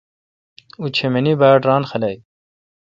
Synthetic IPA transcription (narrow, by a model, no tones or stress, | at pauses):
ut͡ɕʰemenibaːɖɾaːnxɐlɐj